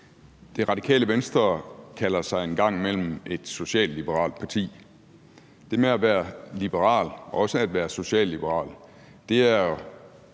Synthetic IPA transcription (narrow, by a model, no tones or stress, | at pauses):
d̥e̝ʁɑ̈d̥ikʰɛ̰ːləʋensd̥ʁɐkʰælɐsɑ̈ɪenɡ̥ɑ̈ŋ̰mel̰m̩ʔe̝d̥so̝ɕɛ̰ːld̥lib̥əʁɑ̰̈ːld̥̚pʰɑ̈t͡sʰḭː | d̥e̝meæʋæːɐlib̥əʁɑ̰̈ːlɒ̽səæd̥ʋæːɐso̝ɕɛ̰ːlːib̥əʁɑ̰̈ːl | d̥e̝æɐ